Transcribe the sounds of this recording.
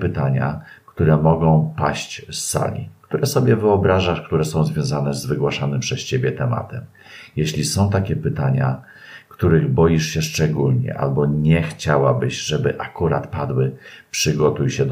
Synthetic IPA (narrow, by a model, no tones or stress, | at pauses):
pɘt̪aɲa̰kt̪uɾɛmɔɡɔ̃w̃paɕt͡ɕsːa̰lʲḭkt̪uɾɛsɔbʲjɛvɘɔbɾaʐaʂkt̪uɾɛsɔ̃w̃zvʲjɔ̃zanɛzvɘɡwaʂanɘmpʂɛst͡ɕebʲjɛt̪ɛma̰t̪ɛm | jeɕlʲisɔ̃w̃t̪akʲɛpɘt̪aɲa | kt̪uɾɘɣbɔjiʂɕɛʂt͡ʂɛɡulɲɛ̰ʔa̰lbɔɲɛxt͡ɕawabɘɕʐɛbɘʔakuɾat̪pad̪wɘpʂɘɡɔt̪ujɕɛd̪